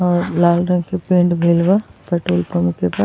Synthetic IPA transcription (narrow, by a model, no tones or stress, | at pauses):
laːlɾɐ̃ŋɡkʰepẽːɳɖbʱeːlʋaːpɐʈoːlpɐmʊkʰepaːs